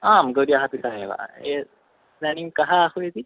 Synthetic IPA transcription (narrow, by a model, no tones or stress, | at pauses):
aːmɡoɾiaɦɐpit̪aɦeʋa̰ːḛ | nɛniŋkaɦaːhued̪i